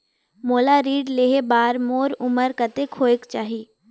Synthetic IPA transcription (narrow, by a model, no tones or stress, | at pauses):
moːlaɾiːɖleːɦebaːɾmoːɾʊməɾkət̪ekʰoːɪkt͡ʃaːɦiː